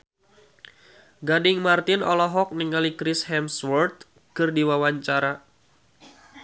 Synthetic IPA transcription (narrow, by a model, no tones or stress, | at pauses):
ɡadɪŋmart̪ɪnɔlɔɦɔk̚niŋalikɾɪshɛmswɔrt̪̚ | kɨrdiwawaɲt͡ʃaɾa